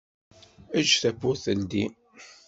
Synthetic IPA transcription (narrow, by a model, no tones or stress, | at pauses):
æd͡ʒθæpːʊθəld̪i